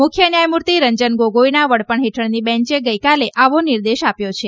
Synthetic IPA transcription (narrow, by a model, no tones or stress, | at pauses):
mʊkʰjənjajmuɾt̪iɾəɲd͡ʒənɡoɡoinaʋəɽpəɳɦeʈʰəɳnibɛ̃ɲt͡ʃeɡəjkaleʔaʋoniɾd̪eʃapjot͡ʃʰe